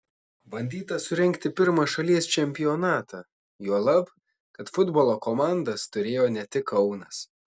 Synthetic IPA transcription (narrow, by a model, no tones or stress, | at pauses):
bɐnʲd̪ʲiːt̪ɐsʊɾʲɛŋʲkt̪ʲɪpʲɪɾmɐʃɐlʲiɛst͡ʃʲɛmʲpʲɪjɔnɑːt̪ɑː | juɔlˠɐp | kɐt̪fʊd̪boːlˠoːkomɑˑnd̪ɐst̪ʊɾʲeːjoːnʲɛt̪ʲɪkʰɐʊnɐs